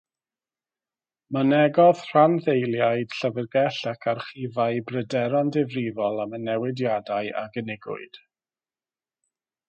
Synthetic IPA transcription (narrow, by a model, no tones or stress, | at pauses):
manɛɡɔð̥r̥anθejlˠjajd̥ɬəvərɡɛɬakʰarχivaɨbrədɛɾandɪvrivɔlˠamənɛwɪdjadaɨa̰ɡənɪɡʊ̰ɨd̥